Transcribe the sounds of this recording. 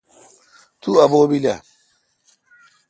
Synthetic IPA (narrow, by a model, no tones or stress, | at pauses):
tuabobila̰